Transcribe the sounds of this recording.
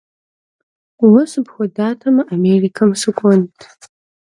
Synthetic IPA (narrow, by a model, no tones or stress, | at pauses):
wasɨpχʷadatʰɐmɨʔamerikʰamsɨkʷʼɔntʰʼ